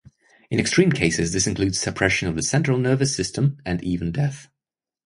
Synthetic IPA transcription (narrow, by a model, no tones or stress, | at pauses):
ɨ̃nɨkstɹ̥ĩːmkʰeɪsɨzðɪsɨ̃nkʰl̥ʉːdz̥səpʰɹ̥ɛʃɨ̃nʌvðəsɛ̃nt͡ʃɹ̥əl̩ˠnɜ˞vɨsɪstʰə̃mɨ̃niːvə̃n̩dɛθ